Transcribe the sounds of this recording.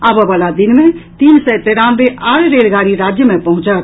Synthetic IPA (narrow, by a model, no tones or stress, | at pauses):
aːbəʋalad̪ɪnmẽt̪iːnsɛt̪eɾãnbeʔaːɽɾelɡaːɾiɾaːd͡ʒjəmẽpəɦʊ̃t͡ʃət̪̚